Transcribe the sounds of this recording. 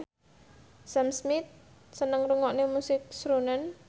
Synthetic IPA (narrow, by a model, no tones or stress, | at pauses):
samsmɪt̪̚ | sənəŋruŋɔʔnemusɪk̚sɾunan